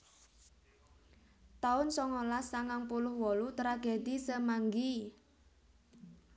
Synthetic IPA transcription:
t̪aʊnsɔŋɔlasːaŋaŋpulʊhwɔlut̪ɾaɡed̪isəmaŋɡi

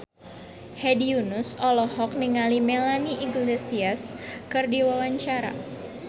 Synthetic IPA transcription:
hediunusɔlɔhɔk̚niŋalimelaniʔiɡlesiaskɨrdiwawaɲt͡ʃaɾa̰

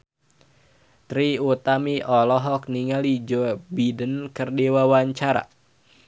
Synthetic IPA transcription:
t̪ɾiut̪amiʔɔlɔɦɔk̚niŋalid͡ʒɔbidənkərdiwawaɲt͡ʃaɾa̰

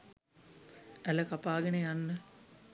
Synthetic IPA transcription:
æləkapaːɡenejanːə

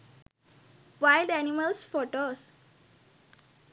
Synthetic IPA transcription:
ʋaɪlɖæniməlsfoʈos

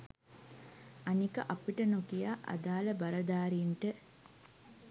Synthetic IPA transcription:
ɐnikɐʔɐpiʈənokijaːʔɐ̰d̪aːlɐbɐɾɐd̪aːɾinʈə

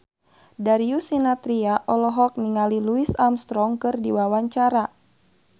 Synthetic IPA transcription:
daɾiusinat̪ɾiaʔɔlɔɦɔk̚niŋaliluisamst̪ɾɔŋkɨrdiwawaɲt͡ʃaɾa

